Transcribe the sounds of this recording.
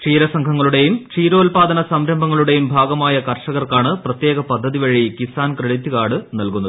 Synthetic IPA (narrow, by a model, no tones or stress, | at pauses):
ʂiːɾɐsɐŋkʰɐŋːɐɭuɽe̞jumt͡ɕiːɾo̞ːlpaːd̪ɐnɐsɐmɾɐmbʱɐŋːɐɭuɽe̞jumbʱaːɡɐmaːjɐkɐrʂɐɣɐrkaːɳɨprɐt̪je̞ːɣɐpɐd̪ʱːɐðiʋɐɻikisaːnkɾɐɭit̪ːukaːɽɨnɐlkunːɐðɨ